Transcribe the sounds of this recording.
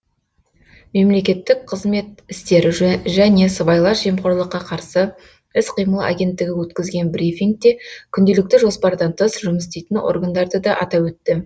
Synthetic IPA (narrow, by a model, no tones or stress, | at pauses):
me̞mle̞kʲe̞t̪ːɪk̚qʰəzme̞t̪ɪst̪e̞ɾɪʒæne̞səbɑjlˠɑʒemχo̞ɾlˠəqːɑqʰɑɾsə | ɪsqʰijməlˠa̰ɡʲe̞nt̪ːɪɡʲɪwɵt̪kʲɪzɡʲe̞nbrifʲiŋk̚t̪e̞kʲʰʏnd̪e̞lɪk̚t̪ɪʒo̞spɑɾd̪ɑnt̪ʰəsʒʊməst̪ejt̪ɪnwo̞̰rɡand̪ɑɾd̪əd̪ɑʔɑ̰t̪ɑwɵt̪ːɪ